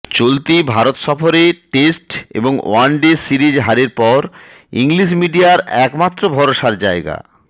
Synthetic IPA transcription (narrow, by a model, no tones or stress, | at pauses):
t͡ɕolt̪ibʱaɾot̪ʃɔfoɾeʈesʈḛboŋo̰anɖesiɾid͡ʑɦaɾeɾpɔɾ | ḭŋliʃ̬miɖiaɾɛkmat̪ːɾobʱɔɾoʃaɾd͡ʑaeɡa̰